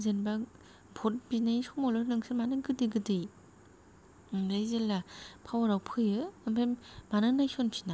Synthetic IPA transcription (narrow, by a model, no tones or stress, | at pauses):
zenba | bʰʱɔt̚binajsɔmɔlɔnɯŋsʰɯmanɯɡɯdɯɡɯdɯj | lajzelːapʰawaɾawpʰɯjɯɯmpʰemmanɯnajsɔnpʰina